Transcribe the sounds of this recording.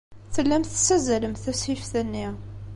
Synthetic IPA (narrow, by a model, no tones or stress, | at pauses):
θəlːæmθsæzæləmθæshifθənːi